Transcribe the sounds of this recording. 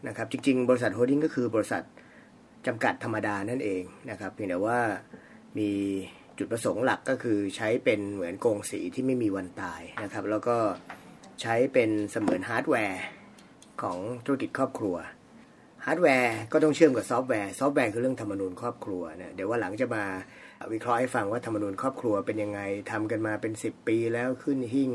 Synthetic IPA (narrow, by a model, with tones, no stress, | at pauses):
na˦˥kʰa˦˥p̚t͡ɕi˧ŋt͡ɕi˧ŋbɔː˧ɾi˧s̬a˨˩t̪̚ɦoː˧di˥˩ŋkɔː˥˩kʰɯː˧bɔː˧ɾi˧sa̰˨˩t̪̚ | t͡ɕa˧mka˨˩t̪ʰːa˧mːa˧daː˧na˥˩nʔeː˧ŋna˦˥kʰa˦˥p̚jŋd̪i˩˦waː˥˩ | miː˧ | t͡ɕu˨˩t̪̚pɾa˧so˩˦ŋla˨˩kːɔː˥˩kʰɯː˧t͡ɕʰa˦˥jpe˧nmɯ˩˦ənkoː˧ŋsḭː˩˦t̪ʰiː˥˩ma˥˩jmiː˧wa˧nt̪aː˧jna˦˥kʰa˦˥p̚lɛː˦˥wkɔː˥˩t͡ɕʰa˦˥jpe˧nsa˧mɯ̰ː˨˩˦nɦaː˦˥t̪̚wɛː˧ | kʰɔː˩˦ŋt̪ʰu˦˥a˥ki˨˩t̪̚kʰɔː˥˩p̚kʰɾu˧ɐ | haː˦˥t̪̚wɛː˧kɔː˥˩t̪ɔ˥˩ŋt͡ɕʰɯ˥˩˨mka˨˩p̚sɔː˦˥p̚wɛː˧sɔː˦˥p̚wɛː˧kʰɯː˧ɾɯ˥˩əŋt̪ʰa˧mːa˧nuː˧nkʰɔː˥˩p̚kʰɾu˧ɐna˦˥d̪i˩˦waː˥˩la˩˦ŋt͡ɕa˨˩ʔmaː˧wi˦˥kʰɾɔ˦˥ʔha˥˩jfa˧ŋwaː˥˩t̪ʰa˧mːa˧nuː˧nkʰɔː˥˩p̚kʰɾu˧ɐpe˧nja˧ŋːa˧jt̪ʰa˧mka˧nmaː˧pe˧nsi˨˩pːiː˧lɛː˦˥wkʰɯ˥˩nɦi˥˩ŋ